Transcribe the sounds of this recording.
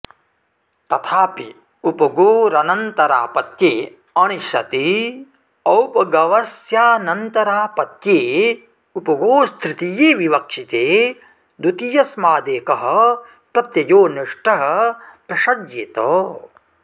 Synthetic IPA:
t̪ɐt̪ʰaːpi | upɐɡoːɾɐnɐnt̪ɐɾa̰ːpɐt̪jeː | ɐɳiʃɐt̪i | ɐwpɐɡɐʋɐsjaːnɐnt̪ɐɾaːpɐt̪jeː | upɐɡoːst̪ʰɾɪt̪ijeːʋiʋɐkʂit̪eː | d̪ut̪ijɐsmaːd̪eːkɐɦɐ̆ | pɾɐt̪jɐd͡ʒoːniʂʈɐɦɐpɾɐʃɐd͡ʒjet̪ɐ

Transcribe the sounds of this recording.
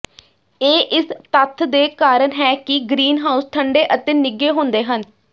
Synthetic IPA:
eːʔɪst̪ət̪ʰd̪eːkaːɾəɳɦɛːkɪɡɾiːnɦaːʊst̪ʰəɳɖeːʔət̪eːnɪɡeːɦõːnd̪eːɦən

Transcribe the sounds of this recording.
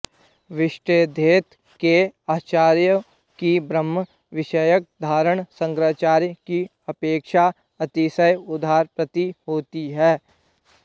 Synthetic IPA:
ʋɪʃʈeːd̪ʱeːt̪ | keaːt͡ʃaːɾjə | kibɾəmːə | ʋɪʃəjək̚d̪ʱaːɾəɳ̃sə̃ŋɡɾaːt͡ʃaːɾjki | ɐpeːkʃa | ɐt̪isəjʊd̪ʱaːɾpɾət̪iɦoːt̪iɦɛː

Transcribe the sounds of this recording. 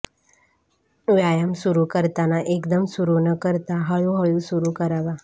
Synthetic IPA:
ʋjajəmsuɾukəɾt̪anaʔekd̪əmsuɾunəkəɾt̪aɦəɭuɦəɭusuɾukəɾaʋa

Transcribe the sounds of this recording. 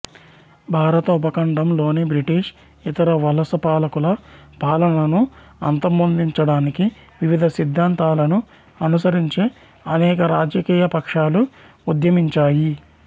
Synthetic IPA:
bʱaːɾɐt̪ɐupɐkɐɳɖɐmlo̞ːneːbɾiʈiːʂ | it̪ɐɾɐʋɐlɐsɐpaːlɐkulɐpaːlɐnɐlɐnu | ɐ̰nt̪ɐmːond̪iɲt͡ʃɐɽaːniki | ʋiʋid̪ʱɐsid̪ʱːaːnt̪aːlɐnu | ɐnusɐɾiɲt͡ʃe̞ː | ɐnɛːkɐɾaːd͡ʒɐkiːjɐpɐkʂaːluː | d̪jɐmiɲt͡ʃaːji

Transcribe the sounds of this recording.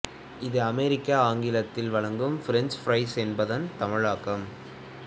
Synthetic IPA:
ɪðɯɐmɛɾɪkːaaːŋɡɪlɐt̪ːɪlʋɐɭɐŋɡɯmfɪɾɛnsfɾɐɪsɛnbɐðɐnt̪ɐmɪɻaːkɐm

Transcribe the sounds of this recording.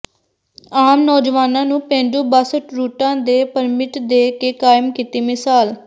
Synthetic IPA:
aːmnɔːd͡ʒʋaːnãːnũːpẽːd͡ʒõːbaːsəʈɾuːʈãːd̪eːpəɾmɪʈd̪eːkeːkaːɪmkit̪iːmɪsaːl

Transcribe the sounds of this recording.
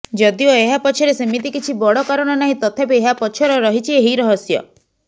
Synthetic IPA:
d͡ʒɔd̪ioeɦapɔt͡ʃʰɔɾesemit̪̬ikit͡ʃʰibɔɽɔkaɾɔɽ̃ɔnaɦĩt̪ɔt̪ʰabieɦapɔt͡ʃʰɔɾɔɾɔɦit͡ʃʰieɦiɾɔɦɔsjɔ̰

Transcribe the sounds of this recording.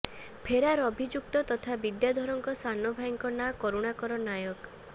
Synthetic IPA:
pʰeɾaɾɔɔbʱid͡ʒukt̪ɔt̪ɔt̪ʰabid̪jad̪ʱɔɾɔŋkɔsanɔbʱajŋkɔnakɔɾoɽ̃akɔɾɔnajɔk

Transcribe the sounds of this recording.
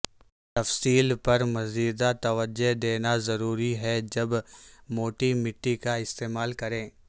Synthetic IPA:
t̪ɐfsiːlpɐɾmɐziːd̪at̪ɐʋəd͡ʒed̪eːnazɐɾuːɾiɦɛd͡ʒɐbmoːʈimɪʈːikaɪst̪eːmaːlkɐɾẽː

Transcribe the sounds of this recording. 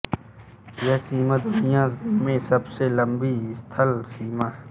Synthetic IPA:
jasiːmɐt̪jãːsmesɐbselɐmbiːst̪ʰɐlsiːma

